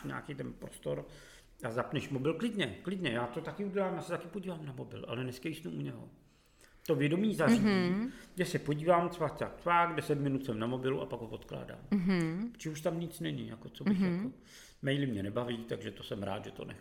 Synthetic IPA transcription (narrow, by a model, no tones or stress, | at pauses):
ɲa̰ːkit̪ɛnpɾost̪o̞ɾ | azapnɛʃmo̞bɪlklɪdɲɛklɪdɲɛjaːt̪o̞t̪akɪuɟɛlaːmjaːsɛt̪akɪpoɟiːvaːmnamo̞bɪ̰lʔa̰lɛnɛskajsnuʔuɲɛɦo̞̰ | t̪o̞vjɛdo̞miːzariijɛsɛpo̞ɟiːvaːmt͡svaːkt͡saːk̚t͡svaːɡdɛsɛt̪mɪnut̪sɛmnamo̞bɪluʔa̰paɡɦovo̞t̪kla̰ːda̰ːmɦt͡ʃɪuʃt̪amɲɪt͡snɛɲɪjakot͡sobɪxjako | mɛjlɪmɲɛnɛbaviːt̪aɡʒɛt̪o̞sɛmɾa̰ːt̪ʒɛt̪o̞̰nɛ̰